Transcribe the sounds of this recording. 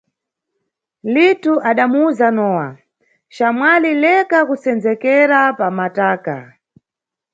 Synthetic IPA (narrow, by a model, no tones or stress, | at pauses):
lituʔaɗamuuzanɔːwa̰ | ʃamwalilɛkakusɛnd͡zɛkɛɾapamataːka̰